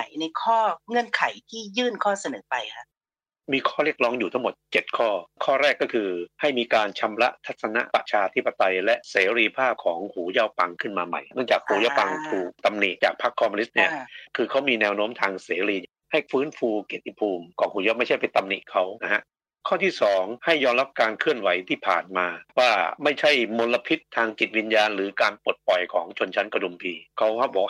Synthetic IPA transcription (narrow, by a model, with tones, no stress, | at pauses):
a˨˩˦jna˧jkʰɔː˥˩ŋɤ˧˩˨nkʰa˨˩˦jt̪ʰiː˥˩jɯː˥˩nkʰɔː˥˩sa˧nɤː˩˦pa˧jkʰa˦˥ | miː˧kʰɔː˥˩ɾi˥˩ək̚lɔː˦˥ŋjuː˨˩a˥˩ŋmo˨˩t̪̚t͡ɕe˨˩t̪̚kʰɔː˥˩kʰɔː˥˩ɾɛː˥˩kːɔː˥˩kʰɯː˧ha˥˩jmiː˧kaː˧nt͡ɕʰa˧mɾa̰˦˥ʔt̪ʰa˦˥t̪̚sa˧na̰˦˥ʔpa̰˨˩ʔt͡ɕʰaː˧t̪ʰi˦˥pːa˧t̪a˧jlɛ˦˥ʔseː˩˦ɾiː˧pʰaː˥˩p̚kʰɔː˩˦ŋhuː˩˦jaː˥˩wpa˧ŋkʰɯ˥˩nmaː˧ma̰˨˩jnɯ˥˩ŋt͡ɕaː˨˩k̚huː˩˦jaː˥˧˩pa˧ŋt̪ʰuː˨˩k̚t̪a˧mnḭ˨˩ʔt͡ɕaː˨˩k̚pʰa˦˥kʰːɔː˧mɔ˧ni˦˥t̪̚ni˥˩ɐkʰɯː˧kʰa˦˥wmiː˧nɛː˧wnoː˦˥mt̪ʰaː˧ŋseː˩˦ɾiː˧ | ha˥˩jfɯː˦˥nfuː˧ke˨˩t̪ʰːi˧˦˩pʰuː˧mkɔː˨˩ŋhuː˨˦jaː˥˩ma˥˩jt͡ɕʰa˥˩jpe˧nt̪a˧mnḭ˨˩ʔkʰa˦˥wna˦˥ha˦˥ʔ | kʰɔː˥˩t̪ʰiː˥˩sɔː˩˦ŋha˥˩jːɔː˧mɾa˦˥p̚kaː˧nkʰɯ˥˩ənwa˨˩˦jt̪ʰiː˥˩pʰa̰ː˨˩nmaː˧waː˥˩ma˥˩jt͡ɕʰa˥˩jmo˧nla˧pʰi˦˥t̪ʰːaː˧ŋt͡ɕi˨˩t̪̚wi˧njaː˧nɾɯː˩˦kaː˧npo˨˩t̪̚pɔ˨˩jkʰɔː˩˦ŋt͡ɕʰo˧nt͡ɕʰa˦˥nka˧du˧mt̪ʰiː˧kʰa˦˥wha˦˥bɔː˨˩